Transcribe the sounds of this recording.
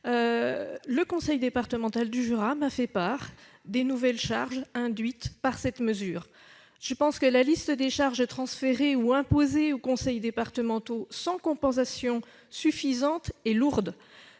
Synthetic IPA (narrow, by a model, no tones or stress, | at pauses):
ø | ləkɔ̃sɛjd̪epaʁt̪əmɑ̃t̪ald̪yʒyʁamafɛpaʁ | d̪enuvɛlʃa̰ʁʒɛ̃d̪ɥit̪paʁsɛt̪məzyːʁ | ʒ̥əpɑ̃skəlalist̪əd̪eʃaʁʒət̪χɑ̃sfeʁeuɛ̃pozeokɔ̃sɛjd̪epaʁt̪əmɑ̃t̪osɑ̃kɔ̃pɑ̃s̬asjɔ̃ | syfizɑ̃t̪eluʁd̪